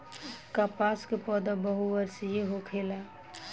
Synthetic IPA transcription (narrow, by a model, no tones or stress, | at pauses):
kapaskepɔd̪abəɦuʋəɾsijeɦokʰela